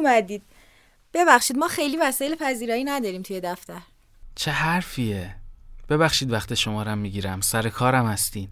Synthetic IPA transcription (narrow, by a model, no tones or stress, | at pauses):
mæd̪iːd̪̥̚ | b̥e̞bæxʃiːd̪mɒːxe̞jliːvæsɒːjelepʰæziːɾɒːinæd̪ɒːɾiːmt̪ʰuje̞d̪æft̪æɾ | t͡ʃʰe̞ɦæɾfiːeb̥e̞βæχʃiːd̪væxt̪ʰeʃomɒːɾæmːiːɟiːɾæmsæɾekʰɒːɾæmhæst̪iːn